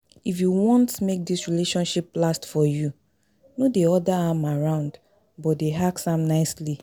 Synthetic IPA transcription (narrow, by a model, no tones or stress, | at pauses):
ifjuwɔ̃ntmek̚disɹileʃɔ̃nʃiplastfɔju | nodeɔdaamaɹãʊ̃nd | bɔt̚deɦaksãmnaɪsli